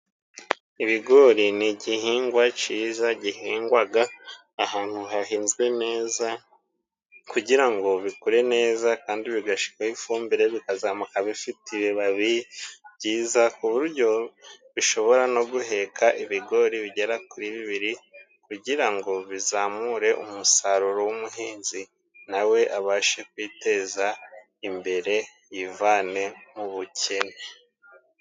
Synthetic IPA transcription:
iβiɡo̞ɾiniɟihiːŋɡwat͡ʃiːzaɟihiːŋɡwaɡaː | haːn̥huɦahiːnzɡwe̞ne̞ːza | kuɟiɾaŋɡo̞βikoɾe̞ne̞ːzakaːndiβiɡaʃi̥kahifuːmbiɾe̞βikazaːmukaβifitiβiβaβiβɟiːzakuβuɾɟo̞βiʃo̞βo̞ɾano̞ɡuhe̞kʰaʔiβiɡo̞ɾiβiɟe̞ɾakuɾiβiβiɾi | kuɟiɾaŋɡo̞βizaːmuɾe̞ʔṵmusaɾuɾo̞wumuhiːnzi | nawe̞ʔaβaːʃe̞k̚wiːte̞za | imbe̞ɾe̞ | jivaːne̞muβucʰe̞ne

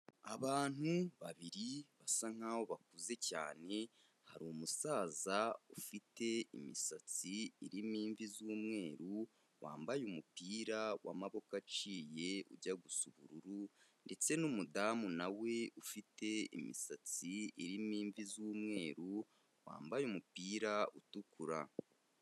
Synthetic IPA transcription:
aβaːn̥uβaβiɾiβasaŋ̥aːwo̞βak̚uze̞ca̰ːne̞ | ha̰ɾomusaːzaufite̞imisat͡siiɾimiːɱvizuːmŋe̞ːɾu | wa̰ːmbajumupiːɾawa̰maβo̞kat͡ʃiːje̞ṵɟaɡusuβuɾuɾunde̞t͡se̞numudaːmunawe̞ufite̞ḭmḭsat͡siiɾimiːɱvizuːmŋe̞ːɾu | wa̰ːmbajumupiːɾautukuɾa̰

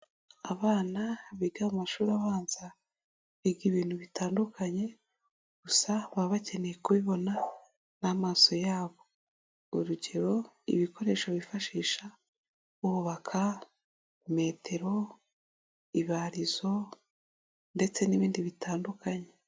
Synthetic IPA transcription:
aβaːnaβiɡaumaʃuːɾaβaːnza | βiɡiβiːn̥huβitaːndukʰaɲe̞ | ɡ̥usaβaβace̞nejekuβiβo̞na | namaːso̞jaːβo̞ | uɾuɟe̞ɾo̞ | ḭβiko̞ɾe̞ːʃoβifaʃiːʃa | uβuβakʰa | me̞ːtʰe̞ɾo̞ | iβaɾizo̞ | nde̞t͡se̞niβiːndiβitaːndukaɲe̞

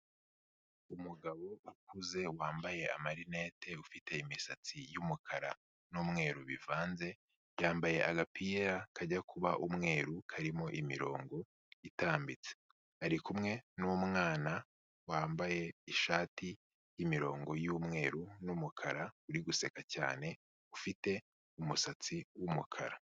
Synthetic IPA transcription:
umuɡaβo̞akuze̞waːmbaje̞a̰maɾine̞ːtʰe̞ufite̞imisat͡sijumukʰaɾa̰ | numŋe̞ːɾuβḭvaːnze̞ | jaːmbaje̞ʔaɡapiːɾakaɟakʰuβaʔumŋe̞ːɾukʰaɾimo̞ʔimḭɾo̞̰ːŋɡo̞ | itaːmbit͡se̥ | aɾikumŋe̞numŋaːna | waːmbaje̞iʃaːti | jimiɾo̞̰ːŋɡo̞jumŋe̞̰ːɾunumukʰaɾauɾiɡuse̞kaca̰ːne̞ | ufite̞ | umusat͡siwumukʰa̰ɾa

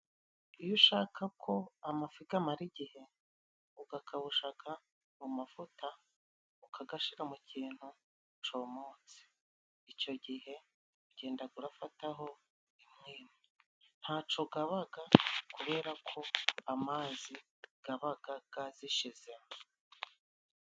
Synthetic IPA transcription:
ijoʃaːkʰakʰo̞amafiɡamaɾiɟihe̞ | uɡakʰaβuʃakʰa | mumafuta | uukaɡaʃiɾamuciːn̥hu | t͡ʃo̞moːt͡si̥ | ico̞ɟihe̞ | uɟe̞ːndaɡuɾafataɦo̞ | imŋiːme | n̥haːt͡ʃo̞ɡaβaɡakuβe̞ːɾakʰo̞amaːzi | ɡ̥aβaɡaɡ̥aziʃize̞m

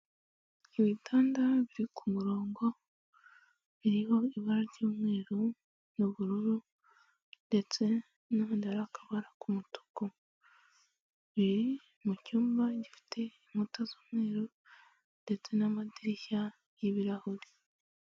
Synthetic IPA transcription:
iβitʰaːndaβiɾikʰumuɾo̞ːŋɡo̞ | βiɾiho̞iβaɾaɾɟoːmŋwe̞ːɾu | nuβuɾuɾu | nde̞t͡se̞ | noundaɾakaβaɾakumuto̥ko | βiɾi | mucuːmbaɟifi̥tʰe̞imutazoːmwe̞ːɾu | nde̞t͡se̞namadiɾiça | jiβiɾahoɾi

